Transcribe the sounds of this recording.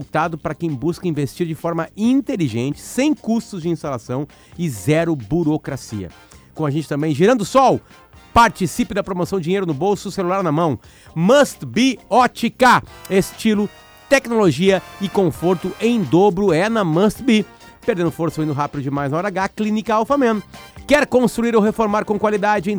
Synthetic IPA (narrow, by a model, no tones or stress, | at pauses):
t̪ad̪ʊpaɾɐkẽj̃buskɐĩvest͡ʃiɾd͡ʒɪfɔɾmɐĩnt̪eliʒẽnt͡ʃɪ̥sẽj̃kust̪ʊzd͡ʒɪĩst̪alasɐ̃w̃ | ɪzɛɾʊbuɾokɾasḭɐ̰ | kõw̃aʒẽnt͡ʃɪt̪ɐ̃mbẽj̃ʒiɾɐ̃nd̪ʊsɔw | paɾt͡ʃisipɪd̪ɐpɾomosɐ̃w̃d͡ʒɪd͡ʒĩɲejɾʊnʊbowsʊselulaɾnɐmɐ̃w̃ | mɐst̪biɔt͡ʃɪkaest͡ʃilʊ | t̪ɛknoloʒiɐɪkõfoɾt̪ʊʔẽj̃d̪obɾʊɛnɐmɐ̃st̪bi | peɾd̪ẽnd̪ʊfoɾsɐwĩnd̪ʊɦapid̪ʊd͡ʒɪmajznɐɔɾaɡaklĩnikɐawfɐmẽnʊkɛɾkõst̪ɾuiɾowɦefoɾmaɾkõw̃kwalid̪ad͡ʒɪẽj̃